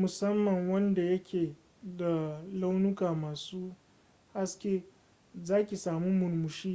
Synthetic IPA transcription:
mʊ˨sɐ˦mːɐ˨ŋwɐ˦nda˨jɐ˦kʲʰeː˨ | da˨la˦wnʊ˦kaː˨maː˨suː˦ | ha˦skʲeː˦ | zaː˦kʲi˨saː˨mu˦mʊ˨nmʊ˨ʃiː˦

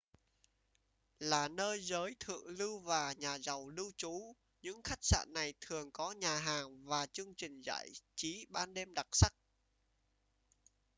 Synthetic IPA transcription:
laː˨˩nəː˧jzəː˨˦jt̪ʰɨ̰˧˨lɨ˧wvaː˨˩ɲaː˨˩zə˨˩wlɨ˧wt͡ɕu˨˦ | ɲɨ̰˧˥ŋxa˦˥jk̟̚sa̰ː˧˨nːa˨˩jt̪ʰɨ˨˩əŋkɔ˨˦ɲaː˨˩ɦaː˨˩ŋvaː˨˩t͡ɕɨ˧əŋt͡ɕï˨˩ŋ̟za̰ː˧˨jt͡ɕi˨˦ɓaː˧nɗe˧mɗa˨˩t̚sa˦˥k̚

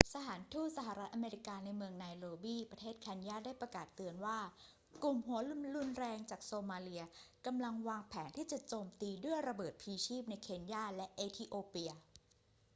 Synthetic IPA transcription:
sa˧˩t̪ʰaː˩˦nt̪ʰuː˥˩t̪̚sa˧ɦa˨˩ɾa˦˥t̪̚ʔa˧meː˧ɾi˦˥kaː˧na˧jmɯ˧əŋnaː˧jɾoː˧biː˥˩pɾa˧t̪ʰeː˥˩t̪̚kʰɛː˧njaː˥˩daː˥˩jpɾa˧kaː˨˩t̪ːɯ˧ənwaː˥˩ | klu˨˩mɦu˩˦ɐlu˥nlu˥˩˨nɾɛː˧ŋt͡ɕaː˨˩k̚soː˧maː˧li˧ɐka˧mla˧ŋwaː˧ŋpʰɛː˩˦nt̪ʰiː˥˩t͡ɕa˨˩t͡ɕoː˧mt̪iː˧du˥˩əjɾa˧bɤː˨˩t̪̚pʰiː˧t͡ɕʰiː˥˩p̚na˧jkʰeː˧njaː˥˩lɛ˦˥ʔeː˧t̪ʰiː˧ʔoː˧pi˧ɐ

